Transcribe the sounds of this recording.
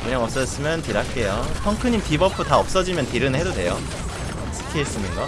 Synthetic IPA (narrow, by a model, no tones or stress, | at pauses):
kɯɲaŋʌp̚s͈ʌs͈ɯmjʌntiɾak͈e̞jopʰʌŋkʰɯɲimpibʌpʰutaʌp̚s͈ʌd͡ʑimjʌntiɾɯnhe̞dode̞jo | sʰɯ̥kʰies͈ɯnɯnɡa